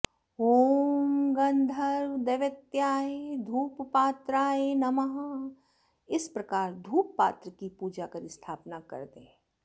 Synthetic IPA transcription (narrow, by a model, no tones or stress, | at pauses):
ɦoːmɡɐ̃nd̪ʱɐɾd̪eʋət̪jaːɦed̪ʱuːppaːt̪ɾaːɦenɐməɦ | ɪspɾɐkaːɾd̪ʱuːpːa̰ːt̪ɾəkipuːd͡ʒakəɾɪst̪ʰaːpnakɐ̰ɾd̪ẽː